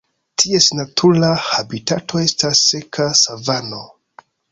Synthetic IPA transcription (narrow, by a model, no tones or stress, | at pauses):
tʰie̞snatʰulahabitatʰo̞e̞stasːe̞kʰasavano